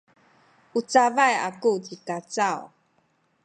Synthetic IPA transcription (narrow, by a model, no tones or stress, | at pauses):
ʔut͡savaja̰kut͡sikat͡saw